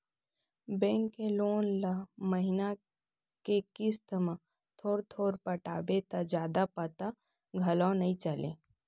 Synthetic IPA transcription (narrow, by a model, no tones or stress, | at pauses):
bɛ̃ːŋkːeloːnlaməɦɪna | kekɪst̪mã | t̪ʰoːɾt̪ʰoːɾpəʈaːbet̪ad͡ʒjaːd̪apət̪a | ɡʱɐlɔ̃nɐɦĩt͡ʃəlḛ̃ː